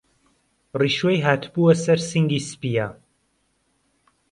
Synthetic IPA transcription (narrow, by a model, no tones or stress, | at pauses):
riːʃwejɦaːt̪ʰbuwɐsɐɾsiŋɡiːspija